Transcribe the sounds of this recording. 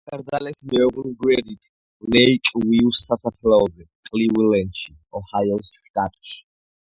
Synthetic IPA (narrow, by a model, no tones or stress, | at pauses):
kʼaɾd̪zalɛsmɛɔʁlizɡwɛɾit̪ʰ | lɛjkʼwiusasapʰlaɔzɛqʼliwilɛnʃi | ɔhajɔst̪ʼat̪ʼt͡ʃ